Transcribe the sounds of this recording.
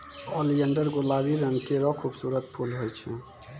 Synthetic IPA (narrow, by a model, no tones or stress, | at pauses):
ɔliənɖəɾɡolabiɾənkeɾɔkʰubsuːɾət̪̚pʰulɦojt͡ʃʰɛ